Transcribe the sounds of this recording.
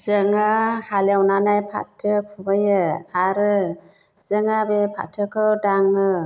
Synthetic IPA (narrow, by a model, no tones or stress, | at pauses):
zɯŋahalawnanajpʰa̰tʰːɯkʰubajɯaɾɯ | z̥ɯŋabepʰa̰tʰɯkʰɯwdaŋɯ